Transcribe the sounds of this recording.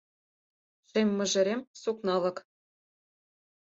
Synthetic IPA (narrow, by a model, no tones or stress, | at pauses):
ʂemʲːɘ̆ʐɘ̆ɾʲemʲsuknɑlˠɤ̆k